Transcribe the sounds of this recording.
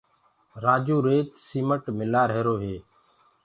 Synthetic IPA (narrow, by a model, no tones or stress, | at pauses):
ɾaːd͡ʒuːɾeːt̪siːməʈmɪlaːɾɦeːɾoːɦeː